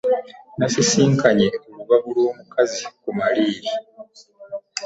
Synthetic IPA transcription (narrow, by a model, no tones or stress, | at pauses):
nasisiːŋkaɲe̞oβuβaβulwo̞ːmukazikumaliːɾi